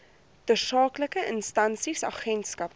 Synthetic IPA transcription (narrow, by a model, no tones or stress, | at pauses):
dərsɑːkləkəʔənstɐnsisɑ̰χɛntskɐp